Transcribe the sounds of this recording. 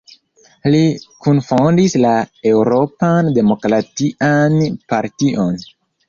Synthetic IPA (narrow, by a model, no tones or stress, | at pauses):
likunfondislae̞wɾo̞pande̞mo̞kɾatiʔanpaɾtiʔo̞n